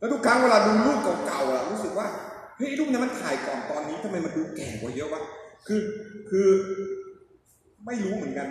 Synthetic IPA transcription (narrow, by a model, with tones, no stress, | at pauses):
lɛː˧˩duː˧˩kʰaː˦˧˥ŋweː˧laː˧duː˧luː˥˩t̚kɔː˨˩˦ka˨˩wla˧˩ɾuː˦˥sɯ˨˩k̚waː˥˩ | hə˥˩jʔjluː˥˩k̚ni˧˩ma˧nt̪ʰaː˨˩˦jkɔː˨˩nt̪ɔː˧nːiː˦˥t̪ʰa˧ma˧jma˧nduː˧kɛː˨˩kɔː˨˩˦jɤ˦˥waː˦˥˩kʰɯː˧kʰɯː˧ | ma˥˩jɾuː˦˥mɯ˨˩˦ənka˧n